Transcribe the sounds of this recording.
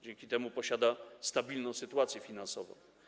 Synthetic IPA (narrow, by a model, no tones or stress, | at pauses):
d͡ʑɛŋkʲit̪ɛmupɔɕad̪ast̪abʲilnɔ̃w̃sɘt̪uat̪sʲjɛfʲinansɔvɔ̰̃w̃